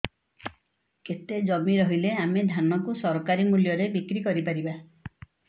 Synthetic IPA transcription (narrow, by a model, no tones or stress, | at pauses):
ket̪ed͡ʒɔmiɾɔɦileamed̪ʱanɔkusɔɾɔkaɾimuljɔɾebikɾikɔɾipaɾiba